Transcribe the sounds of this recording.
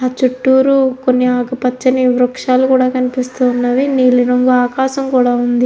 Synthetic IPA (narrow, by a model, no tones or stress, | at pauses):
aːt͡ʃuʈːuːɾukonːiaːkɐpɐt͡ʃːɐniʋɾɐkʂaːlukuːɽaːkɐnipist̪uːnːaʋiniːlunoŋɡɐaːkaːʃɐmkuːɽaːund̪i